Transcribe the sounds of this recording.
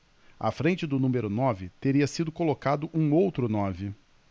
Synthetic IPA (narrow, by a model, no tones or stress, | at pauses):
a̰fɾẽnt͡ʃɪd̪ʊnũmeɾʊnɔvɪt̪eɾiɐsid̪ʊkolokad̪ʊʔũowt̪ɾʊnɔvɪ